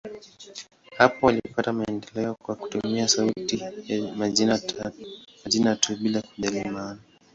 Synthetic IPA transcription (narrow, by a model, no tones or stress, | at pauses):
hapɔwalipatamaɛndɛlɛɔkwaku̥tumiasautiamaa | aʄinatʰuɓilakuʄalimana